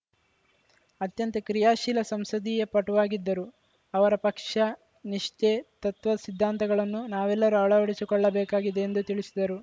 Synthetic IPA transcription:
ɐt̪jɐnt̪ɐkɾijaːʃilɐsɐmsɐd̪ijɐpɐʈuʋaːɡid̪ːɐɾu | ɐʋɐɾɐpɐkʂɐ | niʂt͡ʃet̪ɐt̪ʋɐsid̪ʱːaːnt̪ɐɡɐɭɐnːunaːʋɛlːɐɾuɐɭɐʋɐɽisikɔɭːɐbɛːkaːɡid̪eːnd̪ut̪iɭisid̪ɐɾu

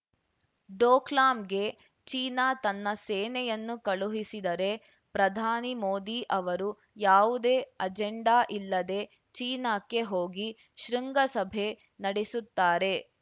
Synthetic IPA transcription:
ɖoːklaːmɡe̞ | t͡ʃiːnaːt̪ɐnːɐseːnɛjɐnːukɐɭuɦisid̪ɐɾe̞ | pɾɐd̪ʱaːnimo̞ːd̪iʔɐʋɐɾu | jaːʋud̪e̞ːɐd͡ʒeɳɖaːʔilːɐd̪e̞ | t͡ʃiːnaːkːe̞ɦoːɡi | ʃɾiŋɡɐsɐbʱe̞ | nɐɽesut̪ːaːɾe̞

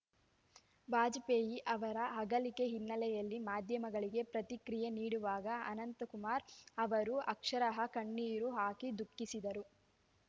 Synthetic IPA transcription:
baːd͡ʒpeːjiʔɐʋɐɾɐɦɐɡɐlike̞ɦinːɐlɛjɐlːimaːd̪ʱjɐmɐɡɐɭiɡe̞pɾɐt̪ikɾijeniːɽuʋaːɡɐɐnɐnt̪ɐkumaːɾɐʋɐɾuɐkʂɐɾɐɦɐkɐɳːiːɾuɦaːkid̪ukːisid̪ɐɾu

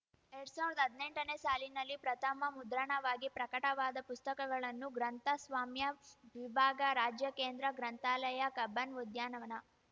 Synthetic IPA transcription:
eɾɐɽsaːʋiɾd̪ɐɦɐd̪neɳʈɐneːsaːlinɐlːipɾɐt̪ʰɐmɐmud̪ɾɐɳɐʋaːɡipɾɐkɐʈɐʋaːd̪ɐpust̪ɐkɐɡɐɭɐnːuɡɾɐnt̪ɐsʋaːmjɐʋibʱaːɡɐɾaːd͡ʒjɐkeːnd̪ɾɐɡɾɐnt̪aːlɐjɐkɐbɐnʋud̪ʱjaːnɐʋɐnɐ

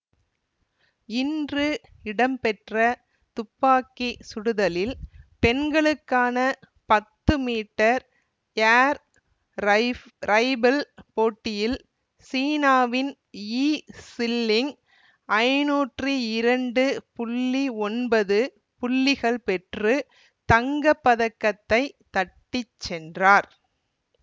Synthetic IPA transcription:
ɪndrɯ | ɪɽɐmpɛʈrɐ | t̪ʊpːaːkisʊɽɯðɐlɪlpɛnɡɐɭɯkːaːnɐ | pɐt̪ːɯmiːʈːɐɾ | aːɾ | ɾɐɪbɐlpoːʈːɪjɪl | siːnaːʋɪn | iːsɪlːɪŋ | ɐɪnuːʈriɪɾɐɳɖɯpʊɭːiɔnbɐðɯ | pʊɭːɪɣɐɭpɛʈrɯ | t̪ɐŋɡɐpːɐðɐkːɐt̪ːɐɪt̪ɐʈːɪt͡ʃːɛndraːɾ

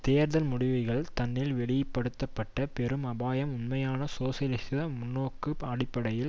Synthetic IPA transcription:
t̪eːɾðɐlmʊɽɪʋɯɣɐɭt̪ɐnːɪlʋɛɭɪjɐpːɐɽɯt̪ːɐpːɐʈːɐpɛɾɯmɐbaːjɐmʊnmɐjaːnɐsoːsjɐlɪst̪ɪðɐmmʊnːoːkːɯɐɽɪpːɐɽɐjɪl

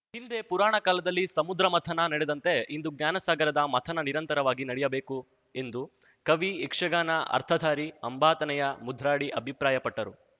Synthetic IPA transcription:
hind̪e̞puɾaːɳɐkaːlɐd̪ɐlːisɐmud̪ɾɐmɐt̪ʰɐnɐnɐɽed̪ɐnt̪e̞ind̪uɡ̚njaːnɐsaːɡɐɾɐd̪ɐmɐt̪ʰɐnɐniɾɐnt̪ɐɾɐʋaːɡinɐɽɛjɐbe̞ːku | e̞nd̪u | kɐʋiikʂɐɡaːnɐʔɐ̰ɾt̪ʰɐd̪ʱaːɾiɐ̰mbaːt̪ɐnɛjɐmud̪ʱːɾaːɽiʔɐbʱipɾaːjɐpɐʈːɐɾu

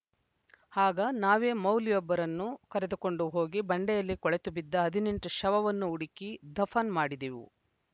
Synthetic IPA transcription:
haːɡɐnaːʋe̞ːmɐwlijɔbːɐɾɐnːukɐɾed̪uko̞ɳɖuɦo̞ːɡibɐɳɖɛjɐlːikɔɭet̪ubid̪ːɐɐd̪ʱiniɳʈuʃɐʋɐʋɐnːuːɽikid̪ɐfʰɐnmaːɽid̪iʋṵ

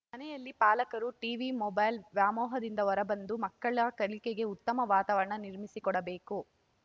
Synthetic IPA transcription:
mɐnɛjɐlːipaːlɐkɐɾuʈiːʋimɔbɐjlʋjaːmɔːɦɐd̪ind̪ɐʋɔɾɐbɐnd̪umɐkːɐɭɐkɐɭikeɡe̞ut̪ːɐmɐʋaːt̪aːʋɐɾɐɳɐniɾmisikɔɽɐbe̞ːku

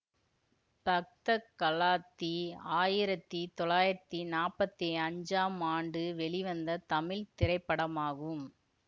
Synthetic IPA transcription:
pɐk̚t̪ɐkːɐlaːt̪ːiaːjɪɾɐt̪ːit̪ɔɭaːjɪɾɐt̪ːinaːpːɐt̪ːiɐɲd͡ʒaːmaːɳɖɯʋɛɭɪʋɐnd̪ɐt̪ɐmɪlt̪ɪɾɐɪpːɐɽɐmaːɣɯm

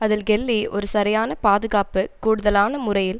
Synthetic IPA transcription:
ɐðɪlɡɛlːiɔɾɯsɐɾɐjaːnɐpaːðɯɣaːpɯkuːɽɯðɐlaːnɐmʊrɐjɪl

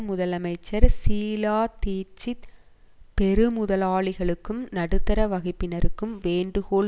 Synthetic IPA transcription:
mʊðɐlɐmɐɪt͡ʃːɐɾsiːlaːt̪iːɾt͡ʃːɪ | pɛɾɯmʊðɐlaːɭɪɣɐɭɯkːɯmnɐɽɯt̪ːɐɾɐʋɐɣɪpːɪnɐɾɯkːɯmʋeːɳɖɯɣoːɭ

